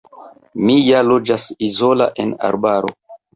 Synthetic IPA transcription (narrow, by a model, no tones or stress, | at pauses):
mijalo̞d͡ʒasizo̞la̰ʔe̞na̰ɾbaɾo̞̰